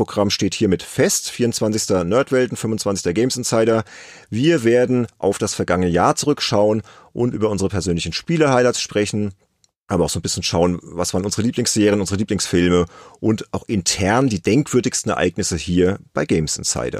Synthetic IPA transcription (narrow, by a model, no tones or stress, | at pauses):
oɡʁamʃteːthiːɐmɪtfɛstfiːɐʊntt͡sv̥ant͡sɪçstɐnœɐtv̥ɛltn̩fʏmvʊnt͡sv̥ant͡sɪçstɐɡɛɪmsɪnsaɪɾɐviːɐveːɐdn̩ʔa̰ʊfd̥asfɛɐɡaŋənəja̰ːɐt͡suʁʏkʃaʊən | ʔʊntʔyːbɐʔʊnzəʁəpʰɛɐzøːnlɪçn̩ʃpiːlɐhaɪlaɪtsʃpʁ̥ɛçn̩ | ʔaːbɐaʊxzoːnbɪsçən̩ʃaʊənvasvaːʁənʔʊnzəʁəliːplɪŋsz̥eːʁiənʊnzəʁəliːplɪŋsfɪlməʔʊntaʊxʔɪntʰɛɐndiːdɛŋkv̥ʏɐdɪçstn̩ɛɐʔa̰ɪknɪsəhiːɐb̥aɪɡɛɪmsɪ̰nsa̰ɪdɐ̰